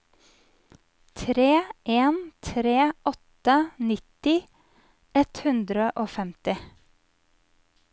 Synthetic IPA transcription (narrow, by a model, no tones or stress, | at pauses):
t̪ʰɾeːʔeːnt̪ʰɾeːʔɔt̪ənɪt̪ɪ | ɛt̪hʉnd̪ɾəʔoːfɛmt̪ɪ